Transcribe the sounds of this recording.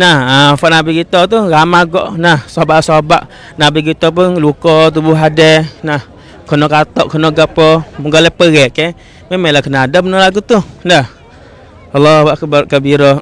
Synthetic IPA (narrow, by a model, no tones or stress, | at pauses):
nahafaʔnabikit̪ɔt̪uɣamaɡɔʔnahsabaʔsabaʔ | nabiɡit̪ɔp̬ʊnlukɔt̪̬ubʊɦadɛnah | kɔnɔkat̪ɔʔkʰɔnɔɡapɔməɡalɛpəɣɛʔkɛ | memɛlakənadəpənɔlaɡut̪uhnah | alːɔbaʔkkəbiɾɔ